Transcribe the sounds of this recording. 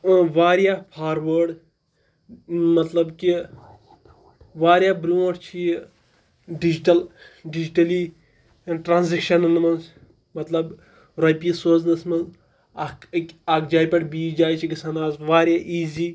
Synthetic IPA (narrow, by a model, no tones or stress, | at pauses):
ʋaːɾjaːpʰaːɾʋəːɖ | mɐt̪lɐbki | ʋaːɾjaːbɾuɐʈt͡ʃʰij | ɖid͡ʒiʈɐlɖid͡ʒiʈɐli | ʈɾaːnzekʃɐnɨnmɐn | mɐt̪lɐb | ɾɐjpisoːznɐsmɐnz | ɐkkʲɐkd͡ʒaːjpʲɐʈbiːd͡ʒaːjt͡ʃʰikisanaːzʋaːɾjaːʔiːziː